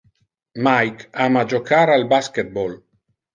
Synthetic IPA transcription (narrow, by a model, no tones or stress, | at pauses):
majkamad͡ʒokaɾalbasket̪̚bol